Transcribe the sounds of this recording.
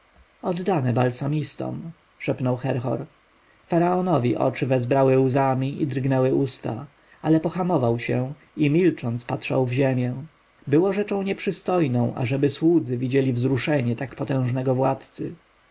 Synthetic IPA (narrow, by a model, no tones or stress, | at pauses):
ɔd̪ːanɛbalsamʲist̪ɔ̰m | ʂɛpnɔwxɛɾxɔ̰ɾ | faɾaɔnɔvʲiʔɔ̰t͡ʂɘvɛzbɾawɘuzamʲiḭd̪ɾɡnɛwɘʔust̪a̰ | alɛpɔxamɔvawɕɛ | imʲilt͡ʂɔnt̪spat̪ʂa̰wvʑemʲjɛ | bɘwɔʐɛt͡ʂɔ̃w̃ɲɛpʂɘst̪ɔjnɔ̃w̃ʔa̰ʐɛbɘswud̪zɘvʲid͡ʑelʲivzɾuʂɛɲɛt̪akpɔt̪ɛ̃w̃ʐnɛɡɔvwat̪t̪sɘ